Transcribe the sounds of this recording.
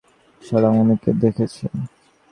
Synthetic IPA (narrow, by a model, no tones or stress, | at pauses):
ʃɔɾamoniked̪ekʰet͡ɕʰen